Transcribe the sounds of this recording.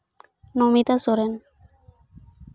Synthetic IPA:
nomit̪asoɾen

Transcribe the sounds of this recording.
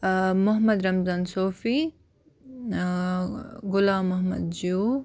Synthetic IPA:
mʊɦmɐd̪ɾɐmzaːnsoːfi | ɡʊlaːmːɐɦmɐ̰d̪̚d͡ʒuː

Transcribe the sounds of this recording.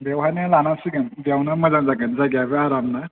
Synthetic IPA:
bewɦanɯlanasiɡɯnbiawnamɐzaŋzaɡɯnzaɡjabɯaɾamna

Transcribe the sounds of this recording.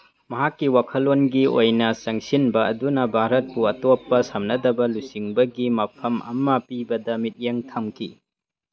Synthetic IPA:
mɐɦakːiwakʰɐlonɡiojnɐsɐŋsinbɐɐdunɐbʱaɾɐt̚puɐtopːɐsɐmnɐdɐbɐlusiŋbɐɡimɐpʰɐmɐ̰mɐpibɐdɐmit̚jeŋtʰɐmkʰḭ

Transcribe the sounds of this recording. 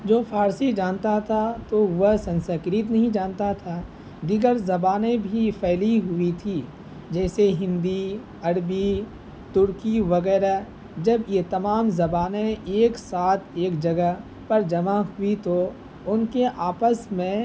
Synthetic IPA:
d͡ʒoːpʰaːɾsid͡ʒaːnt̪at̪ʰat̪oʋəɦsɐ̃nsəkɾit̪̬nɐɦĩd͡ʒaːnt̪at̪ʰa | d̪ɪɡəɾzɐbaːnẽbʱipʰɛːliɦʊit̪ʰi | d͡ʒɛːseɦɪ̃nd̪i | ɐɽbi | t̪ʊɾkiʋɐɡɛːɾa | d͡ʒɐbjet̪ɐmaːmzɐbaːnẽeːksaːt̪ʰeːkd͡ʒɐɡəɦ | pɐɾd͡ʒɐmaɦʊit̪o | ʊnkeʔaːpəsmẽ

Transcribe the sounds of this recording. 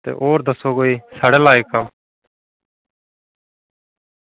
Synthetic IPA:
t̪ḛːʔoːɾd̪əsoːɡoːiːsaːɽeːlaːeːkːəm

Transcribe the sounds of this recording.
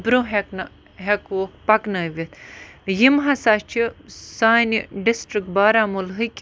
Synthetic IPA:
bɾũɦekn | ɦekuokpɐknɐʋit̪jimɦasat͡ʃʰisaːniɖisʈɾik̚ʈ̚baːɾamulɦɨkʲ

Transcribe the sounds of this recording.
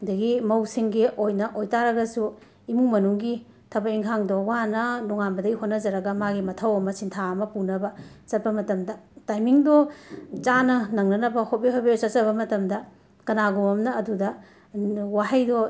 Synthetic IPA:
dɐɡimɐwsiŋɡiojnɐʔojtaɾɐɡɐsu | imumɐnuŋɡi | tʰɐbɐiŋkʰaŋdowanɐnuŋanbɐdɐɡihotnɐd͡ʒɐɾɐɡɐmaɡimɐtʰɐwɐmɐsintʰaɐmɐpunɐbɐ | t͡ʃɐt̚pɐmɐtɐmdɐtajmiŋdɔt͡ʃanɐnɐŋnɐnɐbɐhot̚biɦabejt͡ʃɐt̚t͡ʃɐβɐmɐtɐmdɐ | kɐnaɡomɐmnɐɐdudɐ | wahɐjdɔ

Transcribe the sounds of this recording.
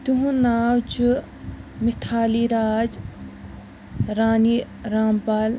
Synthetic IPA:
t̪uɦũnaːwt͡ʃu | mɪt̪ʰaːliɾaːd͡ʒ | ɾaːni | ɾaːmpaːl

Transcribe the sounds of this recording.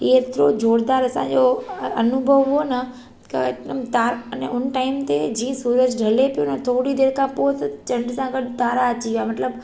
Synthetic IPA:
iːet̪ɪɾod͡ʑoːɽd̪aːɾɐsãd͡ʑoɐnʊbʱəʋɦʊonɐ | kɐ̰mt̪aːɾnḛʊnʈaːɪmt̪ed͡ʑĩːə̃suːɾəd͡ʑɖʱɐlepijonɐt̪ʰoːɽid̪eːɾkʰãpoːt̪ɐt͡ɕɐ̃ɳɖsãɡɐɗt̪aːɾaɐt͡ɕiʋiamɐt̪ləb

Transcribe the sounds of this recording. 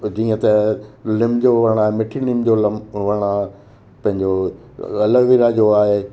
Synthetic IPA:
d͡ʑĩːə̃t̪ɐlɪmd͡ʑoʋɐɽ̃aːɦemɪʈʰilɪmd͡ʑolɐmʋɐɽ̃a | pɐ̃ɦɪ̃ɲd͡ʑo | ɐləʋiɾad͡ʑoaːɦe

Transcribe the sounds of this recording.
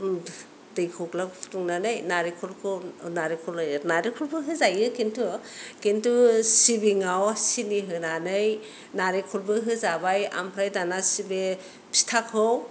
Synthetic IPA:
dɯjkʰɔklakpʰu̥tuŋnanɯjnaɾikʰulkʰɯnaɾikʰulajnaɾikʰulbɯɦɯzajɯkintʰukentusibiŋawsiniɦɯnanɯj | naɾekʰulbɯɦɯzabaja̰mpʰɾajdanasibe | pʰi̥tʰakʰɯw

